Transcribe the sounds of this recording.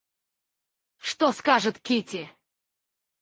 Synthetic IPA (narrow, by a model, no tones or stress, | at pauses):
ʂt̪oskaʐɨt̪kʲitʲɪ